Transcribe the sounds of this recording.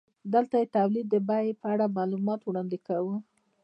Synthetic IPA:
d̪əlt̪ajet̪awlid̪ːəbajpəaɽamɑlumɑt̪wɽɑnd̪ɪkawə

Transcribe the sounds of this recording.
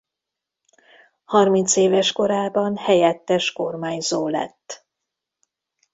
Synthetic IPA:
hɒrmint̪seːvɛʃko̞ɾaːbɒnhɛjɛt̪ːɛʃko̞rmaːɲzoːlɛ̰t̪ː

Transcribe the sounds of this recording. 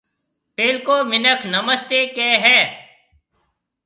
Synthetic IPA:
peːlkoːmɪnəkʰnəməst̪eːkeːɦɛː

